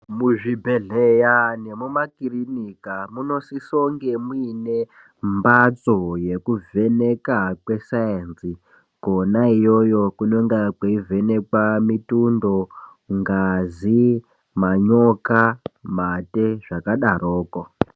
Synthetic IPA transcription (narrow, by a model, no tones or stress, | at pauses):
muʐibʱeɮejane̞mumakirinikamuno̞sisoŋɡe̞muine̞ | mbat͡soje̞kuve̞ne̞kakwe̞sajensi | ko̞naijo̞jo̞kunoŋɡakweive̞ne̞kwamitundo̞ | ŋɡazi | maɲo̞kamateʐakaɗaroːko